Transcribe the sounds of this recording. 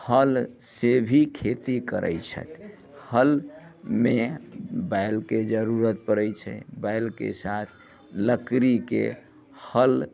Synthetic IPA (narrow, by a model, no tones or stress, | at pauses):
həl | sebʱikʰet̪ikəɾʔə̰jt͡ʃʰə̰t̪ | həlmebajlked͡ʒəɾuɾət̪̚pəɾəjt͡ʃʰɛ̰baɪlkḛsat̪ʰ | ləkɾikḛ | həl